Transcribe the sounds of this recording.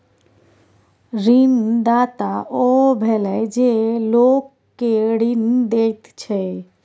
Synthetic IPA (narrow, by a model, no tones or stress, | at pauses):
ɾind̪aːt̪aʔobʱɛlɛd͡ʒelokː | eɾind̪et̪t͡ʃʰe